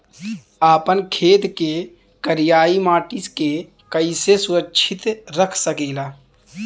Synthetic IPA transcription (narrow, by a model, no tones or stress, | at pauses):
aːpənkʰeːt̪ke | kəɾijaːimaːʈiske | kəɪsesʊɾəkːʃʰɪt̪ɾəkʰsəkiːlaː